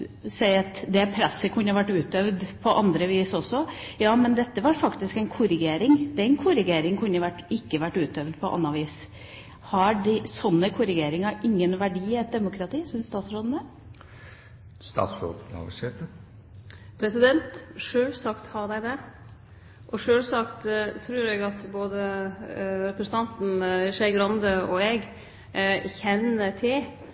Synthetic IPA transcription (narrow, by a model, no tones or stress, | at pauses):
sɛɪɑt̪d̪ɛpʰɾæsːəkʰʉnːəʋæʈːʉːt̪œʋd̪pʰɔʔɑnd̪ɾəʋiːsɔsːɔjɑːmɛnd̪ɛt̪ːəʋɑɾfɑkt̪ɪskɛɪnkʰʊɾɪɡeːɾɪŋd̪ɛɛnkʰʊɾɪɡeːɾɪŋkʰʉnːəʋæʈːɪkːəʋæʈːʉːt̪œʋd̪pʰɔʔɑ̰nːɑʋiːs | hɑɖɪsɔnːəkʰʊɾɪɡeːɾɪŋɑʔɪŋːənʋæɖiːɛt̪̚d̪ɛmʊkʰɾɑt̪ʰiːsʉnst̪ɑːt̪sɾoːd̪n̩ə | st̪ɑ̰ːt̪sɾo̰ːnɑ̰ɡəsɛːt̪ə | pʰɾɛsɪd̪ɛnt̪ʂøːlsɑkt̪hɑd̪æɪd̪ɛ | ʔɔʂøːlsɑkt̪t̪ʰːɾʉːɾɛɡɑt̪boːd̪ə | ɾɛpɾəsən̩t̪ɑnt̪n̩ʂɛɪɡɾɑnd̪əɔɛɡ | çɛnːət̪ʰɪ